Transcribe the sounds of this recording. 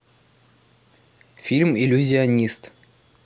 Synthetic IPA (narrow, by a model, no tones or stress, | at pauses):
fʲilʲmilʲuzʲɪɐnʲist̪